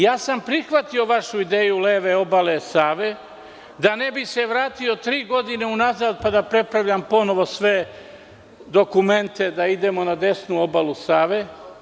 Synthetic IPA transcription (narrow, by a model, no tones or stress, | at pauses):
jaːsampɾixʋat̪io̞ʋaʃuid̪eːjuleːʋeo̞balesaːʋe | d̪ane̞bise̞ʋɾaːt̪io̞t̪ɾiːɡo̞d̪ine̞unazaːd̪̚pad̪apɾe̞pɾaʋʎampo̞no̞ʋo̞sʋe̞ | d̪o̞kume̞nt̪e̞d̪aid̪e̞mo̞nad̪e̞snuo̞balusaːʋe